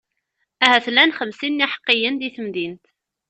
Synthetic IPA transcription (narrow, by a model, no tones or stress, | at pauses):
æɦæθlænχəmsinːiħə̥qːijənd̪iθəmðint̪